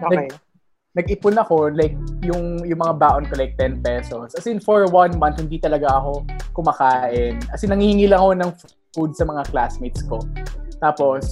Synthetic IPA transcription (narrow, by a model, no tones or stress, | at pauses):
onɐɡ | nɐɡ̚ʔɪpʊnɐko̞lajk̚jʊŋjʊŋmɐŋabaːʔonkolajk̚t̪ɛnpɛsoskɐsɛɪnfoɹwɐnmɐnt̪hɪnd̪it̪ɐlɐɡaʔɐko̞kʊmɐkaːʔɪnkɐsɪnɐŋhihɪŋilɐŋko̞nɐŋf | ud̪̚sɐmɐŋaklasmijt̪skot̪aːpo̞s